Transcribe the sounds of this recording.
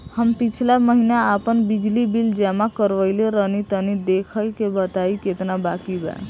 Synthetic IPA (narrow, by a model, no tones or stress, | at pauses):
həmpit͡ʃʰlaməɦinaəpənbid͡ʒlibild͡ʒɛmakəɾʋəɪleɾənit̪ənid̪ekʰəjkebət̪aiket̪nabakibɛ̰